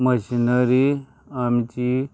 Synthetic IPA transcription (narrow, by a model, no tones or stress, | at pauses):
məɕinəɾi | amt͡ɕi